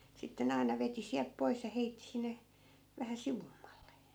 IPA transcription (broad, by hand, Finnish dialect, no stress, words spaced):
sitːe ne ɑinɑ ʋeti siælp pois jɑ heitːi sinːe ʋæhæ siʋumːɑlːe